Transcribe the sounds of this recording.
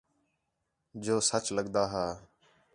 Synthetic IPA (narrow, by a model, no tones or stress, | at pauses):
d͡ʒoːsət͡ʃləɠd̪aːɦaː